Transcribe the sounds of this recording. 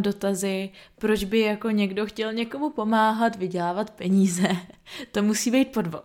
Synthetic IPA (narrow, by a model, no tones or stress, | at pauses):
do̞t̪azɪpɾo̞d͡ʒbɪjako̞ɲɛɡdo̞xcɛlɲɛko̞mupo̞maːɦat̪vɪɟɛlaːvat̪pɛɲiːzɛt̪o̞musiːbɛjt̪̚po̞dvo